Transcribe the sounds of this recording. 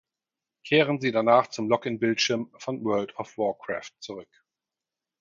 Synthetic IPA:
kʰeːʁənziːdanaːχt͡sʊmlɔkɪnbɪltʃɪɐmfɔnwɜːɐltɔfwɔɐkʁ̥a̰ːftt͡suʁʏk

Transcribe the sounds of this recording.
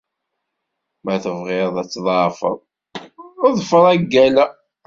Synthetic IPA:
mæθəvʁɪɾðˤæt͡sːðˤɑfə̰ðˤ | ðˤfəɾˤæɡːælæ

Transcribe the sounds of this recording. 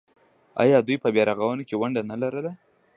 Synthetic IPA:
ɑ̰jɑd̪ujpəbjɑɾaɣawənokewaɳɖanalaɾəla

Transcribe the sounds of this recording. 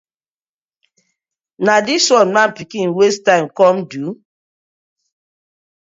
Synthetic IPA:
nadiswɔ̃nmãpikĩnwestãɪmkɔmdu

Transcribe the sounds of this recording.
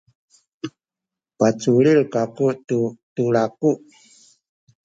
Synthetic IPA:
pat͡sulilkakututulakuʔ

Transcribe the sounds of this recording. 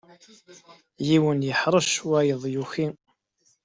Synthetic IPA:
jiwənjəħɾˤəʃwæjəðˤjuçi

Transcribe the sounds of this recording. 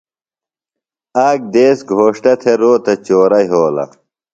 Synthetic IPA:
aːɡ̚d̪eːsɡʱoːʂʈɐt̪ʰeɾoːt̪ɐt͡ɕoːɾɐjɦoːlɐ̰

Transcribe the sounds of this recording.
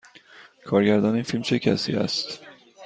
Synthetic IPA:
kʰɒːɾɟæɾd̪ɒːniːnfilmt͡ʃʰecʰæ̰sḭːæ̰st̪

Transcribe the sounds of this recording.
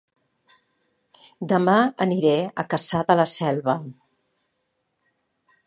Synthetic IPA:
d̪əmaəniɾɛəkəsaðələsɛlˠβə

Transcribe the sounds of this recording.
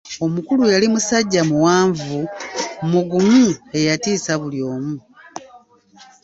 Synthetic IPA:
o̞mukulujalimusaɟːamuwaːɱvumuɡumue̞jatiːsaβuljo̞ːmu

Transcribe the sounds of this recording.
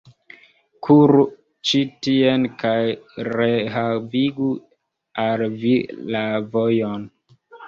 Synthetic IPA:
kʰuɾu | t͡ʃitienkajɾeɦaviɡu | alvilavojon

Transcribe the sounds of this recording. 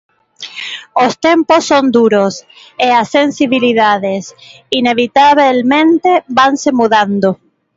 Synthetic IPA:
ost̪emposːond̪uɾos | easːensiβiliðaðes | ineβit̪aβelmẽnt̪ebansemuðand̪o

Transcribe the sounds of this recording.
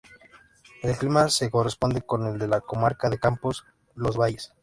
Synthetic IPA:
e̞lklimase̞ko̞respo̞nd̪e̞ko̞ne̞ld̪e̞lako̞maɾkaðe̞kampos | lo̞zβaʝes

